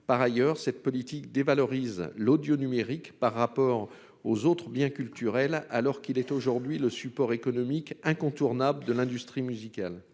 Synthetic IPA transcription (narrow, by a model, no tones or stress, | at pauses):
paʁajœʁsɛt̪̚pɔlit̪ikd̪evalɔʁizlod̪jonymeʁikpaʁːapɔʁ | ozot̪χəbjɛ̃kʲylt̪yʁɛlalɔʁkilɛt̪oʒuʁd̪ɥiləsypɔʁekɔnɔmikɛ̃kɔ̃t̪uʁnabləd̪əlɛ̃d̪yst̪χimyzikʲal